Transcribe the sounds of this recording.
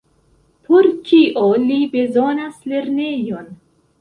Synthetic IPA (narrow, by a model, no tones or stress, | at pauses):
pʰoɾkʰiʔolibe̞zo̞nasle̞ɾnejon